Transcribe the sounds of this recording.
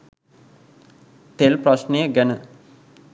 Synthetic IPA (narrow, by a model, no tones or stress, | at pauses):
t̪elpraʃnejəɡænə